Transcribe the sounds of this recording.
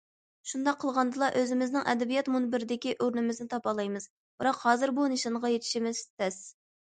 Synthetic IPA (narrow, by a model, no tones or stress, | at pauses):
ʃund̪ɑqʰːəlˠʁɑnd̪ɨlˠɑʔøzɪmɪznɪŋʔɛ̰d̪ɛbijɛt̪munbɪɾɪd̪ɪkʲiʔøɾnɪmɪznɪt̪ʰɑpɑlˠɑjmɨz̥ | bɨɾɑqhɑːzɨɾbuneʃɑnʁɑjet̪ʰɪ̥ʃimɪzt̪t̪ɛs